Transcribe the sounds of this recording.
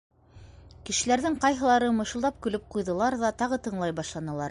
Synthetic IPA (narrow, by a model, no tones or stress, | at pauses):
kɘ̆ʃɘ̆læɾðɘŋqɑjɦɤ̆lˠɑɾɤmɤ̆ʃɤ̆lˠd̪ɑp̚kɵ̆lɵp̚qujðɤ̆lˠɑɾðɑt̪ɑʁɤt̪ɤ̆ɴlˠɑjbɑʃlˠɑnɤ̆lˠɑɾ